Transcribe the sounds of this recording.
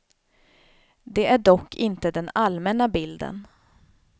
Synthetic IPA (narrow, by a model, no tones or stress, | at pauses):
d̪ɛæɖɔkʰːɪnt̪əd̪ɛnalmɛnabɪld̪ə̰n